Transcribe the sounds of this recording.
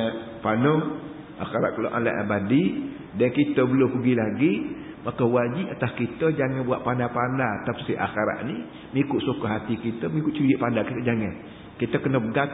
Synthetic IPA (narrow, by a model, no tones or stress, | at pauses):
panə | ʔaxaɾaʔkəlo̰ʔa̰nla̰ʔa̰badi | dankit̪əbəlʊpəɡilaɡi | makəwad͡ʒiʔat̪askit̪əd͡ʒaŋanbuwaʔpandapandat̪apsiʔa̰xaɾa̰ʔni | mikʊʔsukəɦat̪ikit̪əmikʊʔt͡ʃid͡ʒiʔpandakit̪əd͡ʒaŋan | kit̪əkənəbəɡa